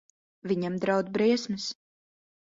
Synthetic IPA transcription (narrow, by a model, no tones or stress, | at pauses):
vʲiɲamd̪ɾawd̪bɾiɛsmɨs